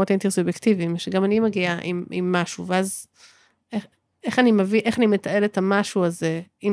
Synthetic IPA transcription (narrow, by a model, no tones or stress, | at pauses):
ot̪ent̪isubjektivimʃeɡamanimaɡiaʔḭmḭmːaʃuveaz | e | eχanimaviʔeχanimetae̞letamaʃuaze̞im